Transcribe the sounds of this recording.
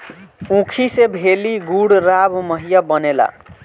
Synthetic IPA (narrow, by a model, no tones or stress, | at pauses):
ũkʰisebʱeliɡuɽɾabmʌɦijabʌnela̰